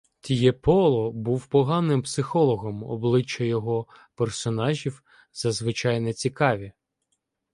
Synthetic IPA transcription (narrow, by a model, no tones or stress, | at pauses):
t̪ʲijɛpɔlˠɔbuwpɔɦɑnɪmpsɪxɔlˠɔɦɔmɔ̰blˠɪt͡ʃːɐjɔɦɔ | pɛrsɔnɑʒʲiw | zɐzʋɪt͡ʃɑjnɛt͡sʲikɑʋʲi